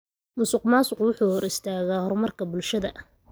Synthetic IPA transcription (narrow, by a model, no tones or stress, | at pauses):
mʊsɪqmaːsʊqwʊħuːhɔrɪst̪ʰaːɣaːhɔrmɐrkʰɐbʊlʃɐðɐʔ